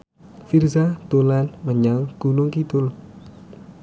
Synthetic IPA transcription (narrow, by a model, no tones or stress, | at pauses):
firzat̪olanməɲaŋɡ̥unʊŋkit̪ʊl